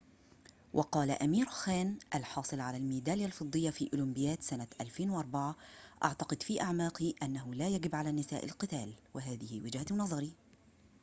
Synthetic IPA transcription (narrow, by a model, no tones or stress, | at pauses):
wʔɑqɑːlaʔamiːɾxaːnʔalħɑːsˤɨlʕalalmiːd̪aːljalfɨd̪ˤːɨjːafiːʔʊlʊmbɪjaːt̪sanat̪ʔalfeːnwʔɑɾˤbaʕaʔa̰ʕt̪ɑqɨd̪fiːʔaʕmaːqiʔanːaɦʊlaːjaɡɪbʕalaːnɪsa̰ːʔɪ̰lqɨt̪aːlwɪɦaːðɪhɪwɪd͡ʒhanɑðˤɑɾi